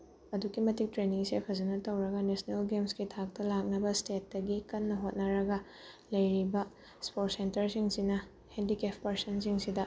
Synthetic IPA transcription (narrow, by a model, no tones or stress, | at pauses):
ɐdukimɐtik̚tɾeniŋsepʰɐzɐnɐtɐwɾɐɡɐnesnelɡemskitʰak̚tɐlak̚nɐbɐstet̚dɐɡikɐnːɐɦot̚nɐɾɐɡɐ | lɐjɾibɐ | spot̚sentɐɾsiŋsinɐ | hendikepʰpɐɾsɐnsiŋsidɐ